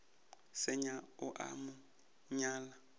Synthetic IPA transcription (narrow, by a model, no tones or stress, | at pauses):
sɛɲaʊʔa̰mʊ | ɲaːla